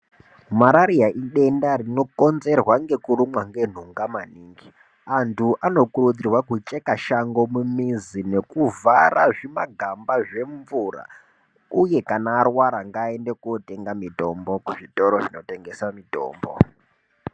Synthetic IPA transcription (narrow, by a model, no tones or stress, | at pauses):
maɾaɾiaʔiɗe̞ndaɾino̞ko̞nze̞rwaŋɡe̞kurumwaŋɡe̞n̤uŋɡamaniːŋɡi | antʰuʔano̞kuɾud͡zirwakut͡ʃʼekaʃaŋɡo̞mumizine̞kuvarʔaʐimaɡʱambaʐe̞ɱvura̰ | uje̞kanaːrwaɾaŋɡaːendekuote̞ŋɡamito̞mbo̞kuʐito̞ɾo̞ʐinote̞ŋɡe̞samito̰ːmbo̰